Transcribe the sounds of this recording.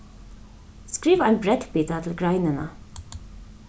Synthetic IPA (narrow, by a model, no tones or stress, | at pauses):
skɹiːʋæɪnbɾɛd̪biːt̪ɑt̪ʰl̩ɡɾɑɪnənə̰